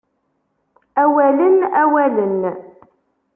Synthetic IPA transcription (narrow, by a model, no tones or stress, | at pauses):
æwælənæwælən